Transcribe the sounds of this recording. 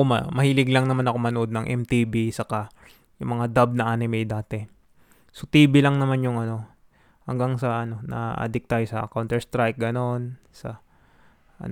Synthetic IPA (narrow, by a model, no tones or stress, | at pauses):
omɐ̰mɐhiːlɪɡlɐŋnɐmanɐko̞mɐnoʔo̞d̪nɐŋʔɛ̰mt̪iːbisɐka | jʊŋmɐŋad̪ab̚nɐʔanɪmɛjd̪aːt̪ɛ | sot̪iːbɪlɐŋnɐmanjʊŋʔɐno̞ | hɐ̰ŋɡaŋsɐʔɐno̞nɐ̰ʔa̰d̪ɪk̚t̪ajsɐʔɐ̰kawnt̪ɛɹst̪ɾajk̚ɡɐno̞n | sɐ̰ | ʔɐ̰n